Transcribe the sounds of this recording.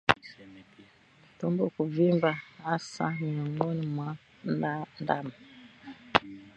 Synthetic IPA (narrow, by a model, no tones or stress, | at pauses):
tumbukuvimbahasa̰miɔŋɡɔnimwa | nandama